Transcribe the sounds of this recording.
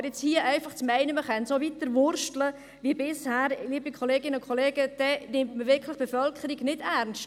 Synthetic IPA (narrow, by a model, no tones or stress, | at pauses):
ɾjɪt͡shiːəʔɛɪfaχt͡smɛɪnəməχɛnsoʋitːəɾʋʊɾʃtlə | ʋibɪshæːɾliːbikʰoleːɡɪnəʊnkχoleːɡəd̥ɛnɪmtməʋɪɾkʰləχb̥efœlkχəɾiɡnɪdæɾnst